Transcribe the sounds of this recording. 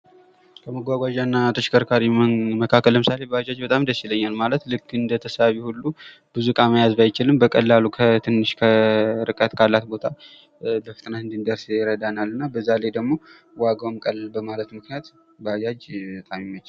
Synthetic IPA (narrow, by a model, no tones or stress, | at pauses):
kʰəməɡʷaɡʷaʒanːat̪ʰəʃɪ̥kʰːəɾkʰaɾiməkʰakːəlːəmɨsale̞bəad͡ʒad͡ʒbət̪ʼamnd̪əsiləɲːalmalət̪lɨkːɨnd̪ət̪ʰəsaβihulːu | bɨzukʼaməjazbajɪt͡ʃɪlɨmbəkʼəlːalukʰət̪ʰɨnːɨʃkʰəɾɨkʼət̪kʰalːat̪bo̞t̪ʰa | bəfɨt̪ʼnaɨnd̪ind̪əɾsɪɾəd̪analɨnːabəzːalajd̪əɡmo̞ | waɡəmkʼəlbəmalət̪mɨknijat̪ | bəad͡ʒad͡ʒbət̪ʼamɪmːət͡ʃɪl